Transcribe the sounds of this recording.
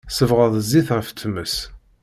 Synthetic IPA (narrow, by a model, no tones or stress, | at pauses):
səvʁəðˤzːiθʁəft͡s̪ːəməs